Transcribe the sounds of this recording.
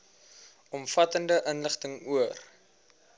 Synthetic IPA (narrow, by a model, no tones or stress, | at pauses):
ɔmfɐtəndəʔənləχtəŋuər